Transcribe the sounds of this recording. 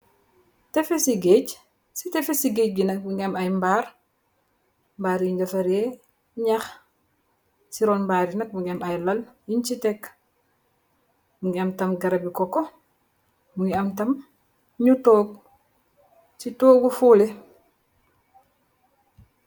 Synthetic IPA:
tɛfesiɡeːc | sitɛfesiɡec̚ɡinɐk̚muŋɡiɐmɐjmbaːɾ | mbaːɾiɲuɲd͡ʒɐfɐɾe | ɲɐx | siɾɔːnmbaːɾinɐk̚muɡiɐmɐjlɐljiɲt͡ʃitɛk | muŋɡiɐmtɐmɡɐɾɐbikɔkɔ | muŋɡiɐmtɐm | ɲutɔːɡ̚ | sitoːɡufuːle

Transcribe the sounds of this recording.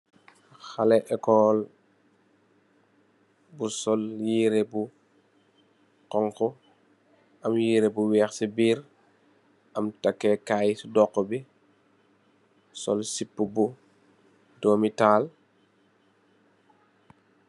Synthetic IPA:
xalɛʔɛkɔːl | busɔljiːɾebu | kɔŋkɔ | ʔɐmjiːɾebuwɛːxsibiːɾ | ʔɐmtakːɛkajsudɔkːɔbi | sɔ̰lsipːubu | dɔːmitaːl

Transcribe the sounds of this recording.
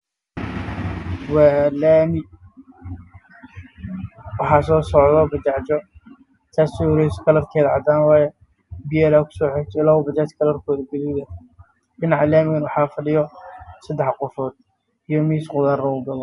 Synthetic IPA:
waːlaːmɪ | wɑħɑːsɔːsɔʕðɔbɐt͡ʃaʕt͡ʃɔ | t̪ʰaːsɪɾɛskʰɐlɐrkʰɛːðɐʕɑ̰d̪aːnwɑːjɛ | bɪjɛlaːkʰʊ̥sɔːħɛt͡ʃ̪ʰɛlaʊbɐt͡ʃaːt͡ʃkʰɐlɐrkʰɔːðɐɡɛliːðɐ | ɪnʕɑlaːmɪɣɐnwɑħɑːfɐɖɪjɔsɐd̪ɛħqɔfɔːd̪̥̚ | ijɔmiːsqʊðaːrɔʊɡɐlɔ

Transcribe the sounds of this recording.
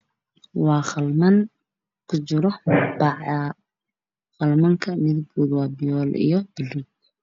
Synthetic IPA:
wɑːχɐlmɐŋ | kʰʊt͡ʃɪɾɔbɑʕa | χɑlmɐŋkʰɐmɪðʊɡbuːd̪wɑːbɪjɔːlʔḭjɞbɪluŋ

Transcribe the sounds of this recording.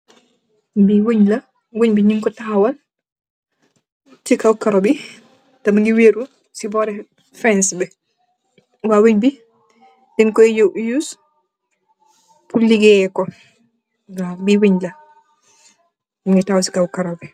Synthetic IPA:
biwoɲlɐ | wuɲbiɲiŋkɔtawɐl | tikawkaɾobi | tɐmŋɡiweɾu | sibɔɾɛ | fɛnsbɛ | wawuɲbi | dɛnkɔjjuːs | puliɡɛkɔ | ɡabiwuɲlɐ | mŋɡitawasi̥kawukaɾobi

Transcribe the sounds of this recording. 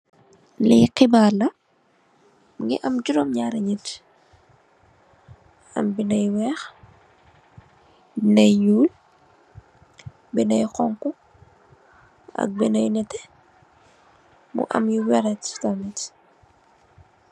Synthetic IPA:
lɛ̰jqibalɐ | ŋɡiʔɐmd͡ʒuɾɔmɲaɾɐɲit | ɐ̰mbinɐjwɛːx | bnɐjjuːl | binɐjqɔŋku | ɐ̰k̚binɐjnɛtɛ | mṵʔɐ̰mjiwɛɾɛttamit

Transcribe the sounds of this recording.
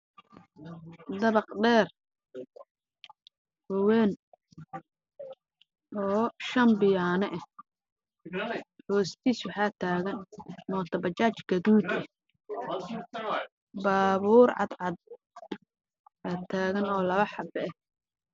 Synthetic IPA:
d̪ɐβɑqɖɛːr | bɔwɛːn | ʔɔːʃɐmbɪjaːnɐʔɛh | hɔːst̪ʰiːswɑħaːt̪ʰaːɣɐnmɔːt̪ʰɐbɐt͡ʃaːt͡ʃɡ̥ɐðuːd̪ɛ | baːβuːɾʕɑ̰d̪ʕɑd̪̚ | ɐt̪ʰaːɣɐnɔːlɐβɐħɑbɛɛh

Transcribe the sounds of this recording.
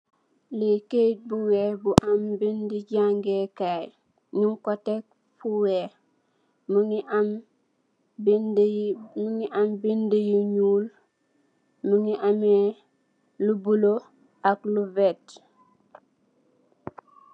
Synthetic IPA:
liket̚buweːbuʔambindiɟaŋɡekaj | ɲiŋkotek̚ | fuwe | muŋiam | bdmuŋiʔambindijuɲuːl | muŋiʔame | lubulo | akluvet

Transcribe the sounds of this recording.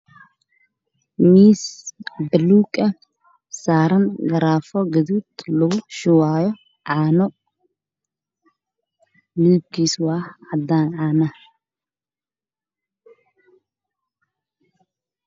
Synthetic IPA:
miːsbɐluːkʼɐ | saːɾɐnɡɐɾaːfɔɡɐd̪ut̪lɔɡʊʃʊwaːjɔ | ʕaːnɔ | liːb̚kiːswaːhʕad̪anʕaːnɐ

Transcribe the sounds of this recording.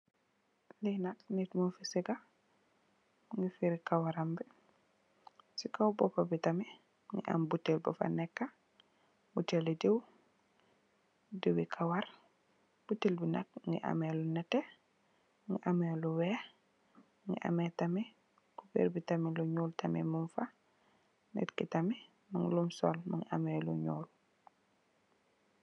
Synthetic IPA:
linatnitmufisiɡa | ŋɡifiɾikawaɾambi | sikawbɔpabitami | ŋɡḭʔa̰mbutːelbɔfa̰nɛkːa | butelidew | duwikʰawaɾ | b̥utilbinɐk̚ŋɡḭʔa̰mɛlunɛtɛ | ŋɡiʔamɛluwɛ | ŋɡḭʔa̰mɛtami | kubḛɾbitamiluɲuːltʰɐmḭmumfa | nɛ̰tkitami | maŋlumsɔ̰lmaŋa̰mɛːlṵɲṵːl

